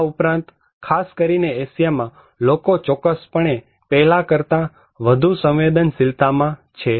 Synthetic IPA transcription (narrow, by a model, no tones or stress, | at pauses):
upɾãnt̪ | kʰaskəɾineːsjamã | lokot͡ʃɔkːəspəɳ̃e | pɛɦlakəɾt̪a | ʋəd̪ʱusə̃wʋed̪ənsɪlt̪amãt͡ʃʰe